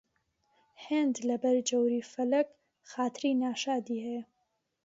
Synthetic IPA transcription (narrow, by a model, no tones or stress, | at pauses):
heːnd̪lɐbɐɾd͡ʒɐwɾiːfɐlɐk | xaːt̪ɾiːnaːʃaːd̪iːhɛjɐ